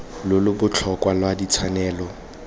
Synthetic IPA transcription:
lʊlʊbʊt͡ɬʰɔkʼwalwadit͡sʰanɛːlɔ

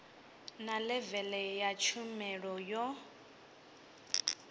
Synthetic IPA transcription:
nalɛvɛlɛjat͡ʃʰumɛɺɔjɔ

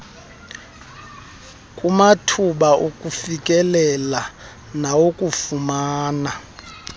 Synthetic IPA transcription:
kʼumatʰuɓaʔokʼufikʼɛlɛla | nawokʼufumaːna

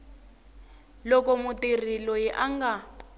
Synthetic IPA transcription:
lɔkɔmutir̤ilɔjɛʔaŋɡa

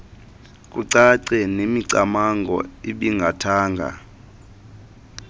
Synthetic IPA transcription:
k̬ʼuǀaǀɛnemiǀamaŋɡʱɔ̰eɓiŋɡʱatʰaːŋɡʱa̰

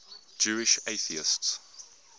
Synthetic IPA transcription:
d͡ʒʉːɪʃeɪθiɪ̰sts

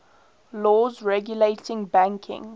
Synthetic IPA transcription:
lɔːzɹɛɡjuleɪtɪ̃ŋbæ̃ŋkʰɪ̰̃ŋ

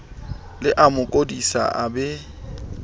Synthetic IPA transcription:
lɪʔamʊkʼodisa̰ʔabɛ

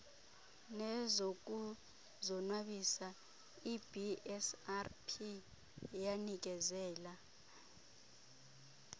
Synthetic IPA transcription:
nɛzok̬ʼu | zɔnwaɓisa | ibʱiɛsarpʰi | janik̬ʼɛzɛːla

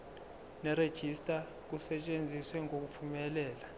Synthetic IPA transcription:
nɛɾed̥ʒ̥ʱistʼa | k̬usɛt͡ʃʼend͡zʱiswɛŋok̬upʰumɛlɛːla

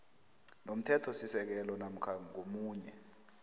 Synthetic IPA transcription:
nom̩tʰɛtʰɔsisɛk̬ɛlɔnam̩kʰaŋomuːɲɛ

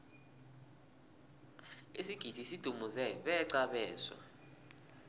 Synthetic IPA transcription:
isiɡ̥ʱid̥ʱisid̥ʱumuzɛɓɛǀaɓɛːza̰

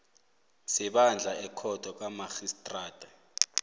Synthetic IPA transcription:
siɓand͡ɮʱaɛkʰɔd̥ʱɔk̬amaxistʼraːd̥ʱa

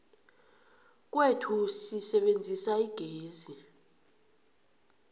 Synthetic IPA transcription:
k̬ʼwetʰusisɛɓend͡zʱisaiɡ̥ʱeːzi

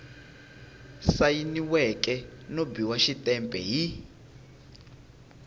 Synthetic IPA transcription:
sajiniwɛkʼɛnobiwaʃitʼɛmpʼɛ̰ɦi

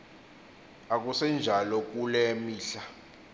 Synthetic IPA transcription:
ak̬usɛnd͡ʒʱalɔk̬ʼulɛmiːɬa

